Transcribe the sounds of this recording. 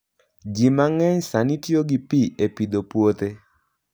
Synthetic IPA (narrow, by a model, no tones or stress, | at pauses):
d͡ʒimaŋɛɲsanitjoɡipiepid̪opwot̪e